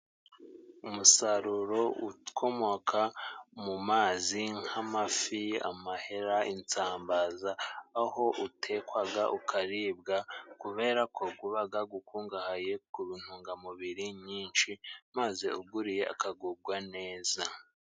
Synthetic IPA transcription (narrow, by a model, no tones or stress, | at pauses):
umusaɾuɾo̞ukʰo̞mo̞kʰamumaːziŋhamafia̰mahe̞ɾaint͡saːmbazaːho̞ʔutʰe̞kwaɡaʔukʰaɾiːbɡakuβe̞ːɾakʰoɡuβaɡaɡukʰuːŋɡahaje̞kuβin̥huːŋɡamuβiɾiɲiːnʃimaze̞̰uɡuɾije̞ʔa̰kaɡuɡwane̞ːza